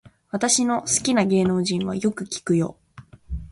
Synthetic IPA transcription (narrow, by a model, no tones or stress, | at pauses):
βat̪aɕino̞sɨ̥kʲinaɡe̞ːno̞ːʑĩɰ̃βa̰jo̞kɯ̟kʲi̥kɯ̟jo̞̰ː